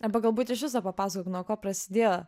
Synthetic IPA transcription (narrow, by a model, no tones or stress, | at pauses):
ɑbɐɡɐlˠbuːt̪ɪʃʋʲɪs̬oːpɐpɑːsɐkoːknɔkoːpɾɐsʲɪ̥d̪ʲeːjo